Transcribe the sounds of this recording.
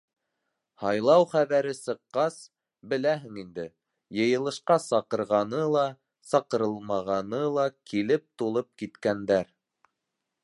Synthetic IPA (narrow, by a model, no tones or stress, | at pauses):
hɑjlˠɑwχæβæɾɘsɤ̆qːɑs | bɘ̆læɦɘŋind̪ɘ | jɤ̆jɤ̆lˠɤ̆ʃqɑsɑqɤ̆ɾʁɑnɤlˠɑ | sɑqɤ̆ɾɤlˠmɑʁɑnɤlˠɑkʰilɘp̚t̪ulˠɤp̚kit̪kænd̪æɾ